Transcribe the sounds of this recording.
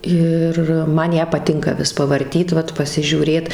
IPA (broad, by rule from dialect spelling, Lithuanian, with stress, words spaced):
ˈɪr ˈmɐn ˈjæː pɐˈtʲɪŋkɐ ˈʋʲɪs pɐʋɐrʲˈtʲiːt ˈʋɐt pɐsʲɪʒʲuːˈrʲeːt